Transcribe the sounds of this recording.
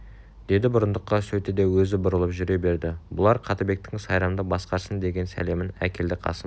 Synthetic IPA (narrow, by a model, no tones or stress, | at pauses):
d̪̥e̞d̪ɪbʊɾənd̪əqːɑsɵt̪ɪd̪e̞wɵzɪbʊɾəlˠəpʒʏɾe̞be̞ɾd̪ɪbʊlˠɑɾqʰɑt̪əbe̞k̚t̪ɪŋsɑjɾɑmd̪əbɑsqɑɾsənd̪e̞ɡʲe̞nsæ̰le̞mɪnæ̰kʲʰe̞ld̪ɪqʰɑ̰sə